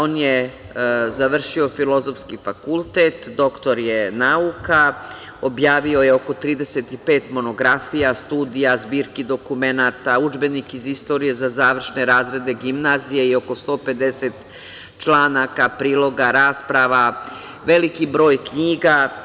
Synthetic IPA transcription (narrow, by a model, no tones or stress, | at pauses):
oːnje | zaʋr̩ʃio̞filo̞zo̞fskifakulˠt̪et̪d̪o̞kt̪o̞ɾjenauka | o̞bjaːʋio̞je̞o̞ko̞t̪ɾiːd̪e̞set̪ipe̞ːt̪mo̞no̞ɡɾafijast̪uːd̪ijazbiːɾkid̪o̞kume̞naːt̪aud͡ʒbe̞nikizist̪o̞ɾije̞zazaːʋr̩ʃne̞ɾaːzɾe̞d̪e̞ɡimnaːzije̞io̞ko̞st̪o̞ːpe̞d̪e̞set̪ | t͡ʃlˠaːnakapɾiːlˠo̞ɡaɾaːspɾaʋa | ʋe̞likibɾo̞ːjkɲiːɡa